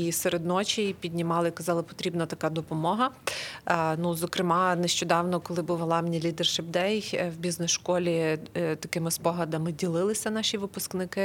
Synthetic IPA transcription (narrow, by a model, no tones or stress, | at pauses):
iseɾed̪nɔt͡ʃʲipʲid̪ʲnʲimɑlˠɪikɐzɑlˠɪpɔ̥t̪ɾʲibnɐt̪ɐkɑd̪ɔpɔmɔɦɐ | nuzɔkɾɪmɑneʃt͡ʃɔd̪ɑwnɔkɔlˠɪbuwɐlˠɑmnʲilʲid̪ɛrʃɛb̚d̪ɛjhwbʲiznɛsʃkɔlʲit̪ɐkɪmɪspɔɦlɐd̪ɐmɪdʲilˠɪlˠɪsʲɐnɑʃʲiʋɪpʊsknɪkɪ